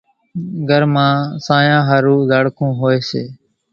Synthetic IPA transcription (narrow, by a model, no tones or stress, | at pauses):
ɡʱəɾmãːsãːjãːɦəɾuːzəɽkʰũːɦoːeːseː